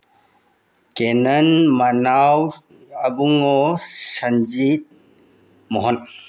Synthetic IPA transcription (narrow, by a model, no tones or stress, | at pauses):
kenɐnmanaw | abuŋɔsand͡ʒit̚ | mɔɦɔn